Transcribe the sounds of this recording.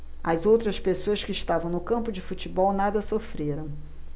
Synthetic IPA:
ɐzowt̪ɾɐspesoɐskɪːʃt̪avɐ̃w̃nʊkɐ̃mpʊd͡ʒɪfut͡ʃibɔwnad̪ɐsofɾeɾɐ̃w̃

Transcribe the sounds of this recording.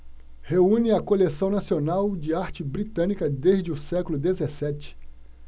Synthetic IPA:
heũnɪɐkolesɐ̃w̃nasionawd͡ʒɪaɾt͡ʃɪbɾit̪ɐ̃nikɐd̪eʒd͡ʒɪʊsɛkʊlʊd̪ezesɛt͡ʃɪ̥

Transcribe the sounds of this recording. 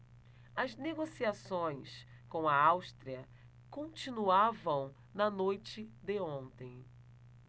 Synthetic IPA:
ɐzneɡosiasõj̃s | kõw̃ɐawst̪ɾiɐ | kõnt͡ʃĩnuavɐ̃w̃ | nɐnojt͡ʃɪd̪ɪõnt̪ẽj̃

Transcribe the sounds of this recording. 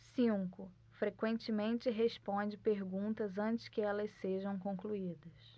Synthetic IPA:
sĩkʊ | fɾekwẽnt͡ʃɪmẽnt͡ʃɪɦespõd͡ʒɪpeɾɡũnt̪ɐzɐ̃nt͡ʃɪ̥skɪɛlɐsseʒɐ̃w̃kõkluid̪ɐs

